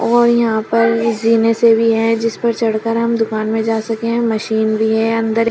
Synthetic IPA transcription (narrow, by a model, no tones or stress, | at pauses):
ɔːɾjɐɦãpɐɾziːnesebʱiɦɛ̃d͡ʒɪspɐɾt͡ʃɐɽkəɾɦɐmd̪ʊkaːnmẽd͡ʒaːsɐkeɦɛ̃mɐʃiːnbʱiɦɛɐ̃nd̪əɾ